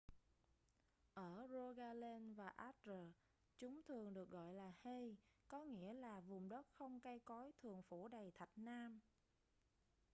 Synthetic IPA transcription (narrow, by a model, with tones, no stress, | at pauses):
ʔəː˧˩zo˧ɣaː˧le˧nvaː˨˩ʔaː˦˥t̚zəː˨˩ | t͡ɕʊ˨˦ŋ͡mt̪ʰɨ˨˩əŋɗɨ˨˩ək̚ɣɔ̰˧˨jlaː˨˩hə˧jkɔ˨˦ŋḭ˧˥əlaː˨˩vʊ˨˩ŋ͡mɗə˦˥t̚xə˧wŋ͡mkə˧jkɔ˨˦jt̪ʰɨ˨˩əŋfu˧˩ɗə˨˩jt̪ʰə˨˩t̚naː˧m